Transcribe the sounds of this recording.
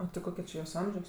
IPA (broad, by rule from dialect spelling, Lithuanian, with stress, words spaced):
oː tɐɪ ˈkoːkʲɛ t͡ʃʲɪ joːs ˈɐmʲʒʲoːs